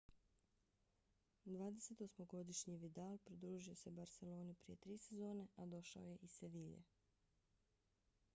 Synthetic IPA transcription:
d̪ʋaːd̪ese̞t̪osmoɡo̞d̪iʃɲiʋid̪aːlpɾid̪ɾuːʒio̞se̞baɾse̞lo̞ːnipɾije̞t̪ɾiːse̞zo̞ːne̞ʔad̪o̞ʃa̰oje̞ʔise̞ʋiːʎḛ

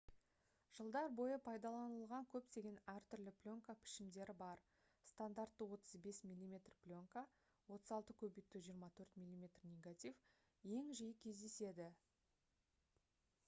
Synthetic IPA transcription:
ʒ̥əlˠd̪ɑɾbo̞jəpʰɑjd̪ɑlˠɑnəlˠʁɑŋkʲʰɵpt̪e̞ɡʲe̞næɾt̪ʏɾlɪplʲo̞ŋkapʰɪ̥ʃɪmd̪e̞ɾɪbɑɾ | st̪and̪aɾt̪ːəwo̞t̪əzbe̞smilʲːimʲe̞t̪rplʲo̞ŋka | wo̞t̪əzɑlˠt̪əkʲʰɵbejt̪ːuʒijəɾmɑt̪ʰɵɾt̪mʲilʲːˠimʲe̞t̪rnʲe̞ɡat̪ʲif | je̞ŋʒijɪkʲʰe̞zd̪e̞se̞d̪ɪ

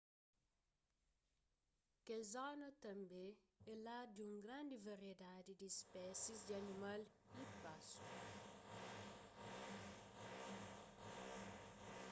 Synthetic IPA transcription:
kɛlzanɐtɐmbɛ | ɛladuŋɡɾandivɐriɛdadidispɛsisdianimal | ipasu

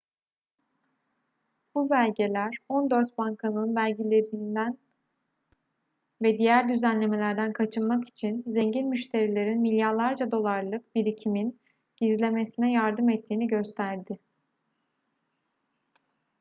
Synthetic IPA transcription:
b̥ubælʲɟe̞lʲæɾo̞nd̪øɾt̪̚baŋkʰanˠɯnbælʲɟilʲeɾind̪æn | vɛd̪ijæɾd̪yzænlʲe̞me̞lʲæɾd̪ænkʰat͡ʃʰɯnmaki̥t͡ʃʰinzeɲɟinmyʃt̪ʰe̞ɾilʲe̞ɾinmilʲjaɾlˠaɾd͡ʒad̪o̞lˠaɾlˠɯkbiɾicʰimin | ɟ̥izlʲe̞me̞sinɛjaɾd̪ɯmɛt̪ʰːiːniɟø̞st̪ʰæɾd̪ɪ

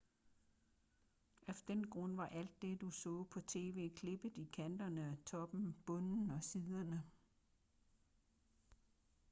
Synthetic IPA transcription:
ʔæfd̥enɡ̥ʁɔ̽n̰ʋɑ̈ʔæl̰d̥̚ːe̝d̥usɔ̰̽ːpʰɒ̽t͡sʰe̝̰ːʋe̝̰ːkʰle̝b̥əð̩ˠikʰænd̥ɐnəɒt͡sʰɒ̽b̥m̩b̥ɔ̽nn̩ɒ̽siðˠɐnə

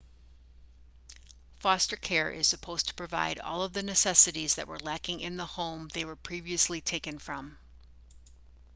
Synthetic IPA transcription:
fɑstə˞kʰɛɹʔɪ̰z̥sɨpʰoʊz̥tʰə̥pʰɹ̥ɨva̰ɪɾɔ̰lˠʌvðɨnɨsɛsɨɾizðɨ̰ʔ̚wə̰˞lækɪ̃ŋʔɪ̃nðəhõʊ̃mðeɪwə˞pʰɹ̥iviɨslitʰeɪkɨ̃nfɹʌ̃m

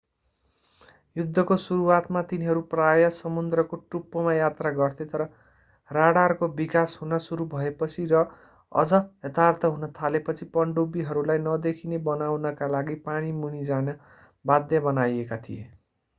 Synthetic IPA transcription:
jud̪ʱːʌkosuɾuwat̪mat̪iniɦʌɾuprajʌsʌmund̪rʌkoʈrupːʌmajat̪raɡʌrt̪ʰet̪ʌɾʌ | raɽarkobikasɦunʌsuɾubʱʌepʌt͡sʰiɾʌ | ʌ̰d͡zʌɦʌt̪art̪ʰʌɦunʌt̪ʰalepʌt͡sʰipʌɳɖobiɦʌɾulajnʌd̪ekʰinebʌnawnʌkalaɡipaɽ̃imuɽ̃id͡zanʌ | bad̪jʌbʌnajekat̪ʰijḛ

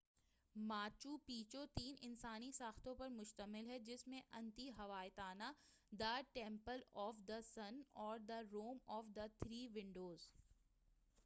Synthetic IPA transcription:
maːt͡ʃuːpiːt͡ʃot̪iːnɪnsaːnisaːxt̪õpɐɾmʊʃt̪əmɪlɦɛd͡ʒɪsmẽʔɐ̃nt̪iɦɐʋaːɪt̪aːna | d̪ɐʈẽːmpəlɔːfd̪ɐsɐnɔːɾd̪ɐɾoːmɔːfd̪ɐt̪ʰɾiːʋɪ̃ɳɖoːz

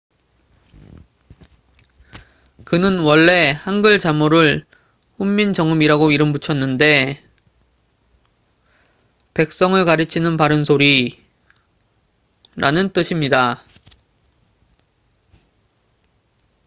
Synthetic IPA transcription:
kɯnɯnwʌɭːe̞hanɡɯɭt͡ɕamoɾɯɭ | ɸumːind͡ʑʌŋɯmiɾaɡoiɾɯmbut͡ɕʰʌnːɯnde̞ | pe̞k̚s͈ʌŋɯɭkaɾɯt͡ɕʰinɯnpaɾɯnsʰoɾi | ɾʔanɯnt͈ɯɕʰimɲida

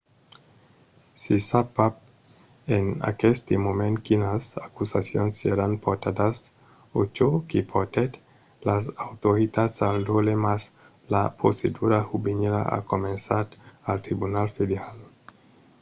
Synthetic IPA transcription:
sisapap̚ | ena̰kest̪imomẽnkinasakusasjonsːeɾanpoɾt̪ad̪as | ot͡ʃokipʰot̪et̪ | lasawt̪oit̪asald̪olemas | lapɾosed̪uɾahubeneɾa̰a̰komensatalt̪ɾibunalfed̪eɾal

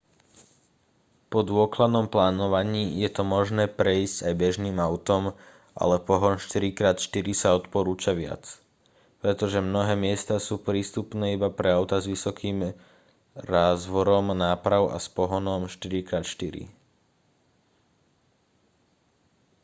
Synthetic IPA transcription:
pɔd̪ʊɔklad̪nɔmplaːnɔʋaɲiːjɛt̪ɔmɔʒnɛːpɾɛiscajbɛʒniːmaʊt̪ɔm | ʔa̰lɛpɔɦɔnʃt̪iɾikɾaːt̪ʃt̪iɾisaɔt̪pɔɾuːt͡ʃaʋɪa̰t͡s | pɾɛt̪ɔʒɛmnɔɦɛːmɪɛst̪asuːpɾiːst̪upnɛːibapɾɛaʊt̪azʋisɔkʰiːm | ɾaːzʋɔɾɔmnaːpɾaʊa̰spɔɦɔnɔmʃt̪iɾikɾaːt̪ʃt̪iɾḭ

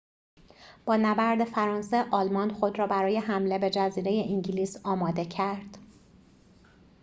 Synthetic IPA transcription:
b̥ɒːnæbæɾd̪e̞fæɾɒːnseʔɒːlmɒnxo̞d̪ɾɒːbæɾɒːjeɦæmle̞be̞d͡ʒæziːɾe̞je̞ʔiɲɟiliːsɒːmɒːd̪e̞cʰæɾd̪̥

